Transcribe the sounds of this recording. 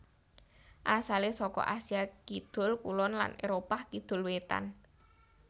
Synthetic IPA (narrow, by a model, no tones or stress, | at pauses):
ʔasalesɔkɔ̰ʔasiakid̪̥ʊ̤lkṵlɔnla̰neɾopakid̪̥ʊ̤lwet̪a̰n